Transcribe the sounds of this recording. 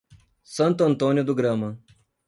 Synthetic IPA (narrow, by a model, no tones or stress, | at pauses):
sɐnt̪ɐnt̪oːnjod̪uɡɾɐːmɐ